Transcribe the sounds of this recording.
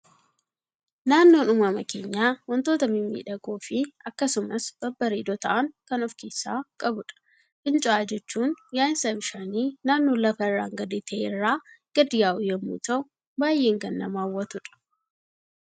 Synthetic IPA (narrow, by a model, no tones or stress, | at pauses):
naːnːo̞ːnʊmɐmɐkeːɲːaːwɔnt̪o̞ːt̪ɐmɪmːḭːᶑɐkoːfɪɐkːɐsʊmɐsb̥ɐbːɐɾeːd̪ɔt̪ɐʔɐŋkɐnɔfke̞ːsːa̰ːkʼɐbʊᶑɐ̥ | kʼɪnt͡ʃʼʊaːd͡ʒɛt͡ʃːuːnjaːɪnsɐbɪʃaːniːnaːnːoːlɐfɐɪrːa̰ːŋɡɐd̪eːt̪ʰɐʔeːɪrːaːɡ̥ɐd̪ɪjaːʔʊjɛmːṵːt̪ɐʔʊ | baːjːe̞ːŋɡɐnːɐmaːwːɐt̪ʊᶑɐ̥